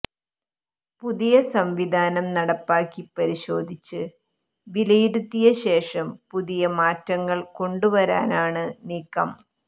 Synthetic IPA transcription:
puðijɐsɐmʋid̪ʱaːnɐmnɐɽɐpːaːkːipɐɾiɕo̞ːd̪ʱit͡ɕːɨ | ʋilɐjuɾut̪ːijɐɕe̞ːʂɐmpuðijɐmaːtːɐŋːɐɭko̞ɳɖuʋɐɾa̰ːnaːɳɨniːkːɐm

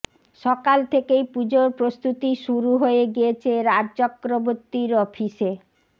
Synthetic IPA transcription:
ʃɔkalt̪ʰekejpud͡ʑoɾpɾost̪ut̪iʃuɾuɦoeɡijet͡ɕʰeɾad͡ʑt͡ɕɔkːɾoboɾt̪iɾɔfʰiʃe

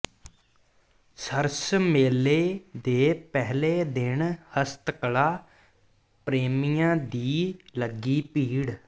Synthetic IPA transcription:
səɾsmeːleːd̪eːpɛɦleːd̪ɪnhəst̪kəlaː | pɾeːmiːjãːd̪iːləɡiːpiːɽ

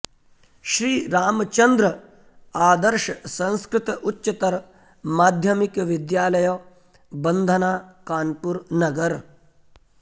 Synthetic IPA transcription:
ʃɾiːɾaːmt͡ʃɐnd̪ɾə | aːd̪əɾʃɐsɐ̃nskɾɪt̪ʔutːt͡ʃɐt̪ɐɾ | maːd̪ʱjɐmikʋɪd̪jaːlɐjoː | bɐnd̪ʱɐnaːkaːnpuɾnɐɡɐɾ

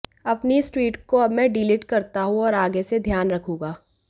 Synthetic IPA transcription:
ɐpnisʈwiːʈkoɐbmɛ̃ɖiːlɪʈkɐɾt̪aɦũɔːɾaːɡesed̪ʱjaːnɾɐkʰũːɡaː

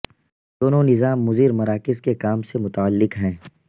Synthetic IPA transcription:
d̪̥oːnonɪzaːmːʊziːɾmɐɾaːkɪzkekaːmsemʊt̪aəlːɪkɦɛ̃ː

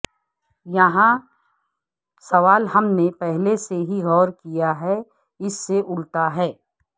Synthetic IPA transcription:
jɐɦã | sɐʋaːlɦɐmnepɛɦleseɦiɣɔːɾkijaɦɛ | ɪsːeʔʊlt̪aɦɛː

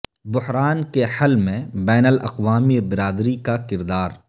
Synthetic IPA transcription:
bʊhɾaːnkehɐlmẽbɛːnəlɐ̰qʋaːmibɪɾaːd̪ɾikakɪɾd̪aːɾ

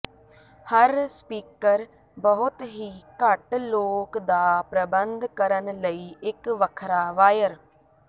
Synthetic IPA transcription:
həɾspiːkəɾ | bəɦʊt̪ɦiːkəʈloːkd̪aːpɾəbənd̪kəɾənləiːɪkʋəkʰɾaːʋaːjəɾ

